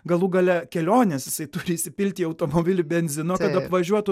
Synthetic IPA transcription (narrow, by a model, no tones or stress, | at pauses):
ɡɐlˠuɡɐlʲɛkʲɛlʲoːnʲɛːsjɪsɐɪt̪ʊɾʲɪːsʲɪpʲɪlʲt̪ʲiːɐʊt̪oːmoːbʲɪlʲʊbʲɛnʲzʲɪnoːkɐt̪ɐpʋɐʒʲuɔt̪ʊ